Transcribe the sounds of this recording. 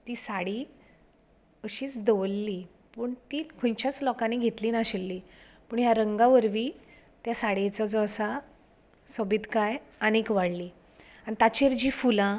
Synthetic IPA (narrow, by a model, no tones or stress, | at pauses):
t̪iːsaɽiː | əɕiːt͡sd̪əʋlːiː | pəɳt̪iːkʰõjt͡ɕjat͡slɔkaneɡʱet̪liːnaɕelːiː | pəːɳjaɾəŋɡaʋəɾʋiː | t̪jasaɽet͡səd͡zəsa | səbiːt̪kaj | əñekʋaɽliː | aɽit̪at͡ɕeɾd͡ʑiːfulã